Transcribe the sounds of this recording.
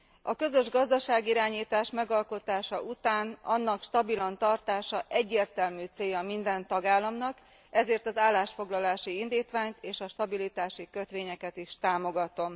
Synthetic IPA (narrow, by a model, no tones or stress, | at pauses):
ɒkø̞zø̞ʒɡɒzd̪ɒʃaːɡiɾaːɲiːt̪aːʃmɛɡɒlko̞t̪aːʃɒʔut̪aːnɒnːɒkʃt̪ɒbilɒnt̪ɒrt̪aːʃɒʔɛɟːeːrt̪ɛlmyːt̪seːjɒmind̪ɛnt̪ɒɡaːlːɒmnɒk | ɛzeːrt̪ɒzaːlːaːʃfo̞ɡlɒlaːʃiind̪iːt̪ʋaːɲt̪eːʃɒʃt̪ɒbilit̪aːʃikø̞t̪ʋeːɲɛkɛt̪iʃt̪aːmo̞ɡɒt̪o̞m